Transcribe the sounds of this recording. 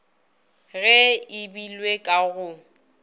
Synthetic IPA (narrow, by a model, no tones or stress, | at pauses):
ɣɛɪbilwekʼaɣʊ